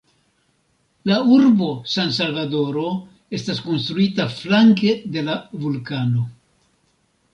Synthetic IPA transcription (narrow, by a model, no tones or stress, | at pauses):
lauɾbo̞sans̬alvado̞ɾo̞ | e̞stasko̞nst̪ɾuitaflaŋke̞de̞lavulkano̞